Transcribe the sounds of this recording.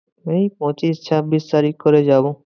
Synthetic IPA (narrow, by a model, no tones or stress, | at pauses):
meipɔ̃t͡ʃist͡ʃʰabist̪aɾikːɔɾed͡ʒaːbũ